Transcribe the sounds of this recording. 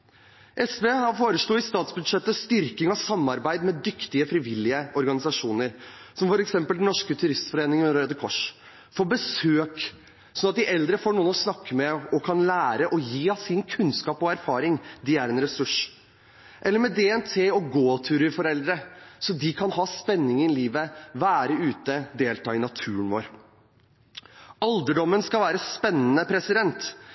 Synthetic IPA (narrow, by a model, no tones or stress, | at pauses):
ʔɛsʋeːhɑɾfoːɾəʂɭuːɪst̪ɑːt̪sbʉd̪ʂɛt̪ːəst̪ʏɾkɪŋɑsɑmːɑɾbæɪd̪mɛd̪ʏkt̪ɪəfɾɪʋɪlːɪəɔɾɡɑnɪsɑʂuːnəɾsɔmfɔɾɛksɛmpəld̪ɛnɔʂkət̪ʰʉɾɪst̪fɔɾeːnɪŋənɾød̪əkʰɔʂ | fɔbəsøːk | sɔnɑt̪̚d̪ɪʔɛld̪ɾəfoːɳuːənɔsnɑkːəmɛɔkʰɑnlæːɾəʔɔjiːɑsɪnkʰʉnskɑːpɔæɾfɑːɾɪŋd̪ɪæɾɛnɾɛsʉʂ | ʔɛlːəɾmɛd̪ɛɛnt̪ʰeːɔɡoːt̪ʰʉːɾəɾfɔɾɛld̪ɾəsɔd̪ɪkʰɑnɦɑːspɛnːɪŋənɪliːʋəʋæːɾəʉːt̪əd̪eːlt̪ɑːɪnɑt̪ʰʉːənʋo̰ːɾ | ɑld̪əɖɔmːənskɑlʋæːɾəspɛnːənəpʰɾɛsɪd̪ɛnt̪